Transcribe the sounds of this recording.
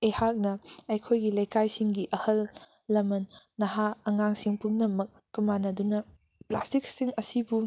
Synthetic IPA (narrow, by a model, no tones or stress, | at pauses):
ehak̚nɐɐjkʰojɡilɐjkajsiŋɡiʔɐhɐlː | ɐmɐnːɐɦaɐŋaŋsiŋpumnɐmɐk̚ːɐmanɐdunɐ | plastik̚siŋɐsibu